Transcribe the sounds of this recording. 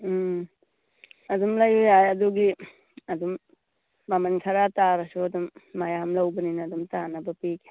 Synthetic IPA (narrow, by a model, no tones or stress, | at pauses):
ɐdumlajojajɐduɡi | ɐdumː | amanikʰɐɾataɾɐsuɐdumːajamlɐwbɐninɐːdumtanɐbɐpiɡi̥